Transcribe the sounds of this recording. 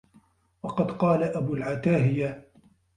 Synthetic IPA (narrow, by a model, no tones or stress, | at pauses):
wɑqɑd̪qɑːlaʔabulʕat̪aːɦɪja